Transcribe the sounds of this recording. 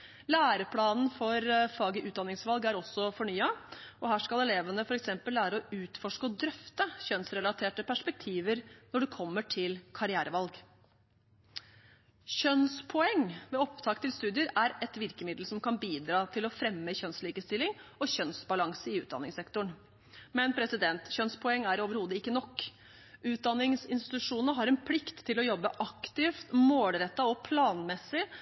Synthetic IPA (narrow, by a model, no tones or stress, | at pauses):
læːɾəpʰlɑːnn̩fɔɾfɑːɡəʔʉːt̪̚d̪ɑnːɪŋsʋɑlɡæɾɔsːɔfɔɳyːɑɔɦæːʂkɑlɛleːʋənəfɔɾɛksɛmpəlːæːɾəɔʉːt̪fɔʂkəɔd̪ɾœft̪əçœnsɾɛlɑt̪ʰeːʈəpʰæʂpɛk̚t̪ʰiːʋəɾnɔɖɛkʰɔmːəʈʰɪlkʰɑɾɪæːɾəʋɑlɡ | çœnspʰɔɛŋːʋɛːɔpt̪ʰɑːkt̪ʰɪlst̪ʉːd̪ɪəɾæɾɛt̪ʋɪɾkəmɪd̪l̩sɔmkɑnbiːd̪ɾɑːt̪ʰɪlɔfɾɛmːəçœnsliːkəst̪ɪlɪŋɔɕœnsbɑlɑŋsəɪʉːt̪̚d̪ɑ̰nːɪ̰ŋsɛkt̪ʊɳ | mɛnpʰɾɛsɪd̪ɛnt̪çœnspʰɔɛŋːæɾoːʋəɾhuːd̪əɪkːənɔkː | ʔʉːt̪̚d̪ɑnːɪŋsɪnst̪ɪt̪ɪt̪ʉʂuːnəəɦɑɾɛnpʰlɪkt̪ʰːɪlɔjɔbːəʔɑkt̪ɪft̪moːlɾɛt̪ːɑɔpʰlɑːnmɛsɪ